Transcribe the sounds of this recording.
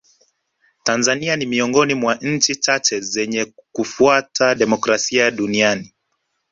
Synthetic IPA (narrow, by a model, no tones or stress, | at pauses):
tanzanianimiɔŋɡɔnimwaɲ̩t͡ʃit͡ʃat͡ʃɛzɛɲɛkufuatʰaɗɛmɔkɾasiaɗuniani